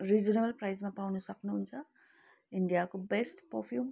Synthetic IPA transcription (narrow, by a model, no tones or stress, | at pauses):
ɾid͡ʒunebɐlpɾɐjsmɐpɐwnusɐknɐuɲt͡ʃa | iɳɖijaːkubesʈpopʰjuːm